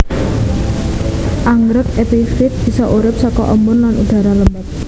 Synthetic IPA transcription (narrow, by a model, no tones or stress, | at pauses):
ʔaŋɾəkɛpifɪt̪̚b̥isɔʔuɾɪp̚sɔkɔʔɔmʊnlanʔuɖ̥a̤ɾaləmbɛk̪̚